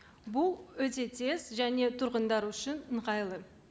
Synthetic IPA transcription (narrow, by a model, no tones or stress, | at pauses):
bʊlˠwɵt̪e̞t̪ʰe̞z̥ʒæne̞t̪ʰʊɾʁənd̪ɑɾʏʃɪnəɴʁɑjlˠə